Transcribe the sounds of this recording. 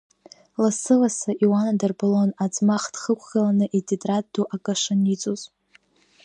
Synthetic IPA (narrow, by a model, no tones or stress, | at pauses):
lasɨlasaʔiwanadɨrbɨlonat͡sʼmaχd̥χəkʷʰɡalanɨʔitʰʼitʼraduʔakʼaʂɨnit͡sʼuz